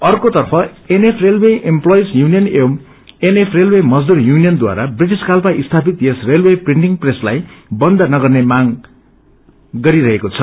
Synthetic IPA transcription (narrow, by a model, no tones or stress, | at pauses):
ʌrkot̪ʌrpʰʌ | enepʰrelweʔemplojsjunijʌnewm | enepʰrelwemʌd͡zd̪urjunijʌnd̪wa̰ɾabriʈ̬iskalpaʔist̪ʰapit̪jesrelwepriɳʈiŋpreslajbʌnd̪ʌnʌɡʌrnemaɡ | ɡʌɾiɾʌɦekot͡sʰʌ